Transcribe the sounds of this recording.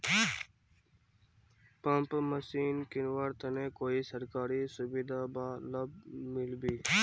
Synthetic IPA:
pəmpməsiːnkɪnwaːɾt̪ənẽːkoːiːsəɾkaːɾiːsʊbid̪aːbaːləb̚mɪlbiː

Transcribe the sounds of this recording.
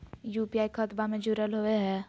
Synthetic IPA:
juːpiaːikʰət̪bamẽd͡ʒʊɾəlɦoeɦɛː

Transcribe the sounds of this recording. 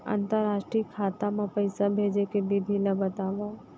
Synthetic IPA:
ã̰ːnt̪əɾaːʃʈɾiːkʰaːt̪amãpəɪsabʱeːd͡ʒekebʱibʱilabət̪aːʋa

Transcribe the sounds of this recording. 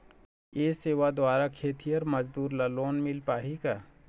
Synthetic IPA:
jeːseːʋad̪waːɾakʰeːt̪ʰijəɾmɐd͡ʒd̪uːɾlɐloːnmɪlpaːɦikaː

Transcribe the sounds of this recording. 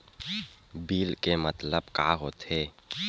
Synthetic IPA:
biːlkemɐt̪ləbkaːɦoːt̪eː

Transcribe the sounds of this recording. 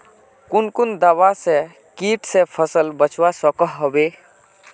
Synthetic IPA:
kʊnkund̪awase | kiʈsẽpʰəsəlbət͡ʃʰwasəkəɦɦɔbe

